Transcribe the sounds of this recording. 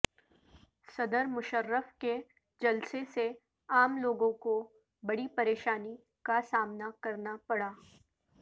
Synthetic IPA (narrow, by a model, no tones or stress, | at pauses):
sɐd̪əɾmʊʃəɾːəfke | d͡ʒɐlsese | aːmloːɡõko | bɐɽipɐɾeːʃaːni | kasaːmnakɐɾnapɐɽaː